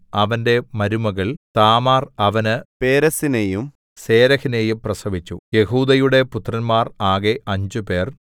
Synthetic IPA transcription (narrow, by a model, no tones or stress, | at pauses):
ɐʋɐnde̞mɐɾumɐɣɐɭt̪aːmaːrɐʋɐnɨpeːɾɐsinejum | se̞ːɾɐhine̞jumprɐsɐʋit͡ɕːṵje̞huːd̪ɐjuɽe̞put̪ːrɐnmaːraːɣeʔɐɲd͡ʑupe̞ːr